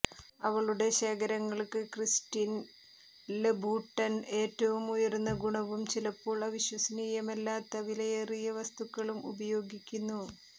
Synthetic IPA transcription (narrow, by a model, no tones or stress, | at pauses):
ɐʋɐɭuɽe̞ɕeːɡɐɾɐŋːɐɭkɨkristin | lebuʈːɐne̞ːtːɐʋumujɐrunːɐɡuɳɐʋumt͡ɕilɐpːo̞ːɭɐʋiɕwɐsɐniːjɐmɐlːaːt̪ːɐʋilɐjerijɐʋɐst̪ukːɐɭumṵbɐjo̞ːɡikʲːunːu